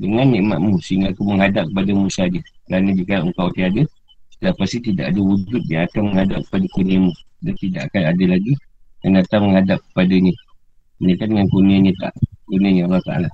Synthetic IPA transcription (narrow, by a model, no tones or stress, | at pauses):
dəŋanːiʔmaʔmusəiŋɡaːkuməŋɦadap̚kəpadamusadikəɾanədiəkalaʔŋkawt̪iada | ləpast̪it̪ida̰ʔadəwud͡ʒʊt̪̚jaat̪aməŋhadap̚kə̥padakoniamu | dant̪idaʔakanadəlaɡi | kanat̪aməŋhadap̚kə̥padaɲə | mənikandəŋankuniaɲət̪a̰ʔkoniaɲəalaht̪a̰la